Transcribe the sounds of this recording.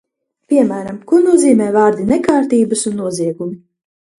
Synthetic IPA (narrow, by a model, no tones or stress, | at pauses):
pʲiɛmæːɾamkunuɔziːmɛːvaːɾd̪inɛkaːɾt̪iːbɐsunːuɔziɛɡumi